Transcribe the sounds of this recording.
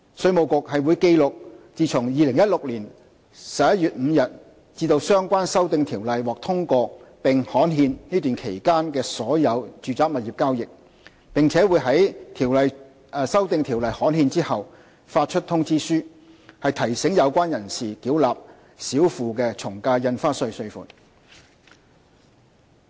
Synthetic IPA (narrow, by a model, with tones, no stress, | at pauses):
sɵ˧ɥmo˨wkʊ˨k̚hɐ˨jwuː˨˧jke˧jlʊ˨k̚t͡siː˨˧t͡sʰʊ˨˩ŋjiː˨˧lɪ˨˩ŋjɐ˥t̚lʊ˨k̚liː˨˩n | sɐ˨p̚jɐ˥t̚jyː˨t̚m̩˨˧jɐ˨t̚ | t͡siː˧t̪o˧wsœː˥ŋkʷaː˥nsɐ˥wt̪ɪ˨˧ŋt̪ʰiː˨˩wlɐ˨jwɔː˨k̚t̪ʰʊ˥ŋkɔː˧pɪ˨ŋhɔː˨˥nɦiː˧nniː˥t̪yː˨˩nkʰe˨˩jkaː˥nkɛː˧sɔː˨˥jɐ˨˧wt͡ʃyː˨˧t͡saː˨˥k̚mɐ˨t̚jiː˨p̚kaː˥wjɪ˨k̚ | pɪ˨ŋt͡sʰɛː˨˥wuː˨˧jɦɐ˨˥jt̪ʰiː˨˩wlɐ˨j | sɐ˥wt̪ɪ˧ŋt̪ʰiː˨˩wlɐ˨jhɔː˨˥nɦiː˧nt͡siː˥hɐ˨w | faː˧t̚t͡ʃʰɵ˥t̪̚ʰʊ˥ŋt͡siː˥syː˥ | hɐ˨jt̪ʰɐ˨˩jsɪ˨˥ŋjɐ˨˧wkʷaː˥njɐ˨˩nsiː˨kiː˨˥wlaː˨p̚ | siː˨˥wfuː˨kɛː˧t͡sʰʊ˨˩ŋkaː˧jɐ˧nfaː˥sɵ˧ɥsɵ˧ɥfṵ˨t̚